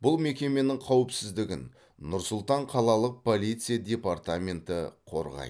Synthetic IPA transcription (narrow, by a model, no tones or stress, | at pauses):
b̥ʊlˠme̞kʲe̞me̞nɪŋqʰɑwɪpsɪzd̪ɪɡʲɪ̰n | nʊɾsʊlˠt̪ɑɴqʰɑlˠɑlˠəq̚pʰo̞lijt̪sɨjadʲe̞part̪amʲe̞nt̪ɪqʰo̞̰ɾʁɑ̰j